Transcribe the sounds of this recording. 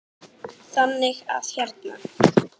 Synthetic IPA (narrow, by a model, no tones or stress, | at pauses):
θanːɪɣa̰ð̥çɛɾt̪na̰